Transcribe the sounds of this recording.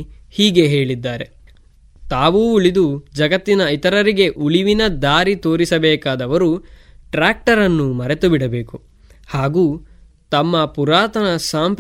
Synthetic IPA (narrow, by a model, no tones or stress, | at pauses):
hiːɡe̞ɦeːɭid̪ːaːɾe̞ | t̪aːʋuːuɭid̪ud͡ʒɐɡɐt̪ːinɐit̪ɐɾɐɾiɡe̞ʔuɭiʋinɐd̪aːɾit̪o̞ːɾisɐbɛːkaːd̪ɐʋɐɾu | ʈɾaːk̚ʈɐɾɐnːumɐɾe̞t̪ubiɽɐbe̞ːku | haːɡuː | t̪ɐmːɐpuɾaːt̪ɐnɐsaːmp